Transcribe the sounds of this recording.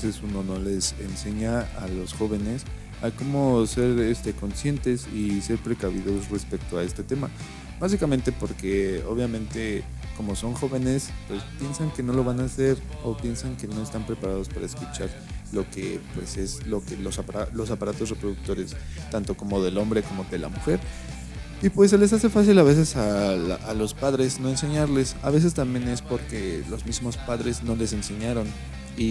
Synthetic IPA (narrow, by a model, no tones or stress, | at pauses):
sesuno̞no̞le̞sḛnse̞ɲaalo̞sxo̞βe̞ne̞s | ako̞mo̞se̞ɾest̪e̞ko̞nsje̞nt̪e̞sise̞ɾpɾe̞kaβiðo̞sre̞spe̞k̚t̪oae̞st̪e̞t̪e̞ma | basikamẽnt̪e̞po̞ɾke̞o̰βjamẽnt̪e̞ | ko̞mo̞so̞ŋxo̞βe̞ne̞spwe̞spje̞nsaŋke̞no̞lo̞βanase̞ɾo̞pje̞nsaŋke̞no̞e̞st̪ampɾe̞paɾað̞o̞spaɾaeskut͡ʃaɾ | lo̞ke̞pwe̞se̞zlo̞kelosalo̞sapaɾat̪o̞sre̞pɾoðuk̚t̪o̞ɾe̞st̪ant̪o̞ko̞mo̞ðe̞lo̞mbɾe̞ko̞mo̞ðe̞la̰muxe̞ɾ | ipwe̞s̬ːele̞s̬ase̞fasilaβe̞s̬e̞saaalo̞spaðɾe̞zno̞ense̞ɲaɾle̞sa̰βe̞s̬e̞st̪ambje̞ne̞spo̞ɾke̞lo̞zmizmo̞spaðɾezno̞le̞se̞nse̞ɲaɾo̞n | i